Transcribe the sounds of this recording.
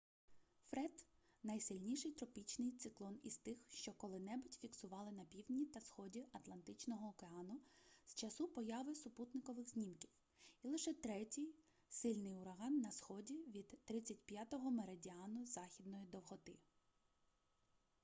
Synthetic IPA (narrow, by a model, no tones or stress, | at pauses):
fɾɛd̪ | nɐjsɪlʲnʲiʃɪjt̪ɾɔpʲit͡ʃnɪjt̪sɪklˠɔnḭst̪ɪxʃt͡ʃɔkɔlˠɪnɛbʊtʲfʲiksʊʋɑlˠɪnɐpʲiwdʲnʲit̪ɐsxɔdʲiʔɐt̪lˠɐnt̪ɪt͡ʃnɔɦɔːkeɑnʊz̥t͡ʃɐsupɔjɑʋɪsʊput̪nɪkɔʋɪxzʲnʲimkʲiw | ilˠɪʃɛt̪ɾɛtʲij | sɪlʲnɪjʊɾɐɦɑnːɐsxɔdʲiʋʲid̪̥ːɾɪt͡sʲːɐtʲpjat̪ɔɦɔmeɾedʲiɑnʊzɑxʲid̪̚nɔjid̪ɔwɦɔt̪ɪ̰